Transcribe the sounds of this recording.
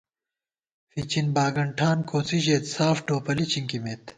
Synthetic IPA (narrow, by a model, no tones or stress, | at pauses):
fit͡ɕinbaːɡɐɳʈʰaːnkoːt͡siʑeːt̪saːfʈoːpɐlit͡ɕiŋkimet̪